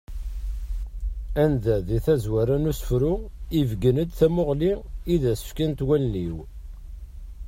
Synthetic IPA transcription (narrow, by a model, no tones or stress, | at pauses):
ænðæðiθæzwæɾænusə̥fɾʊivɡənəd̪θæmʊʁliiðæsə̥fkænt̪wælːiw